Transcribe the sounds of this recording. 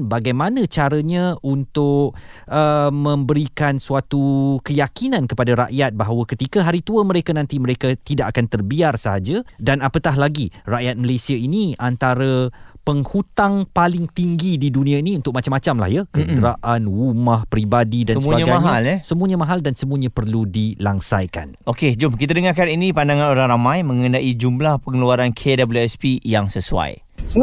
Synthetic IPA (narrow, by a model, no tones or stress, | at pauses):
baɡajmanə̃t͡ʃaɾəɲãʔunt̪ʊʔʔəmə̃mbəɾikansuat̪ukəjakinãnkəpadaɾa̰ʔjat̪̚baɦawəkət̪ikaɦaɾit̪uəməɾekanãnt̪iməɾekat̪idaʔakant̪ərbiarsəɦad͡ʒadanapət̪aɦlaɡiraʔjat̪̚məlesiainiant̪aɾəpəŋhut̪aŋpalɪŋt̪iŋɡididunĩainiunt̪ʊk̚mat͡ʃamat͡ʃamla̰hjakəd̪ɾaʔanumahpɾibadidansəəbaəɡaaɦalsəmuəɲamãɦaldansəmũaɲãpərludilaŋsajka̰nʔoked͡ʒʊmkit̪adəŋarkaninĩpandaŋãnoɾaŋɾamãjmə̃ŋənaʔid͡ʒumlahpəŋluaɾankʰedabluɛspijaŋsəsua̰j